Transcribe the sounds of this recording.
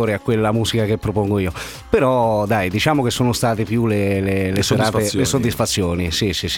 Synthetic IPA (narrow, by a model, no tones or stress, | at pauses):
oːɾeakːwelːamuːzikakepːɾopɔŋɡoiːo | peɾɔd̪ajd̪it͡ʃaːmokesːoːnʊst̪aːt̪epjuleleleseɾaːt̪elesod̪ːisfat̪sːjoːnisisis